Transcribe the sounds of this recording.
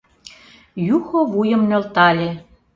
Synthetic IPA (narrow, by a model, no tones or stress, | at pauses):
juxoβujə̆mnølt̪ɑlʲe